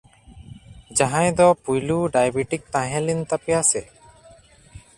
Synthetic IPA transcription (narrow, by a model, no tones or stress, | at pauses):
d͡ʒaɦãjd̪ɔpujluɖajbiʈik̚t̪ãɦɛ̃lint̪apɛjasɛ